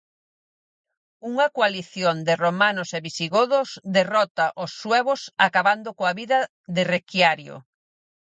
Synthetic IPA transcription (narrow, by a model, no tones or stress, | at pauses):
uŋɐkoaliθjond̪ɪromanʊseβisiɣoðosd̪erɔt̪aʔosːwɛβosa̰kaβand̪ʊkoaβiðɐ | ðɪrekjaɾjo̰